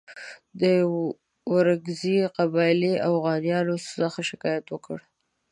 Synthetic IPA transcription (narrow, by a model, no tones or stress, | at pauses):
d̪ə | waɾaɡziqabɑɪliafɣɑnjɑlosəxaʃɪkɑjat̪wəkəɽ